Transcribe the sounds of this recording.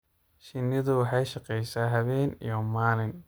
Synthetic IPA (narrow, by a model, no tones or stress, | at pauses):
ʃɪnːɪðʊwɑħɑjʃɑqɛjsaːɦɐβɛːnḭjɔmaːlɪn